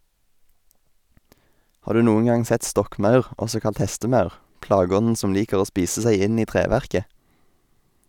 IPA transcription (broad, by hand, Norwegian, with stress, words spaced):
ˈhɑːʁ ˈdʉː ˈnuːən ˈɡɑŋ ˈsɛt ˈstɔkˌmɑʉʁ ˈɔsɔ ˈkɑlt ˈhɛstəˌmɑʉʁ ˈplɑːˌɡɔnn̩ ˈsɔm ˈliːkəʁ ˈoː ˈspiːsə ˈsæɪ ˈɪn ˈiː ˈtʁeːʋæʁkə